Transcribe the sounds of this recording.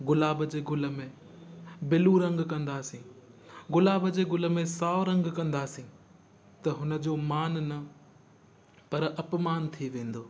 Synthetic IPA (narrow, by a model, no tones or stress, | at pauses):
ɡʊlaːbəd͡ʑeːɡʊlə̆mẽ | bɪluɾɐ̃ŋɡkɐ̃nd̪aːsĩːɡʊlaːbd͡ʑeːɡʊlə̆mẽsaːɾɐ̃ŋɡkɐ̃nd̪aːsĩ | t̪ɐɦʊnə̆d͡ʑoːmaːnnɐ | pɐɾɐpmaːnt̪ʰiʋẽːn̆d̪oː